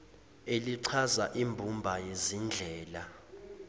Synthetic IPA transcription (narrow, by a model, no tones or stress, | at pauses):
eliǀʰazaʔimbʱumbʱajezind͡ɮʱɛːla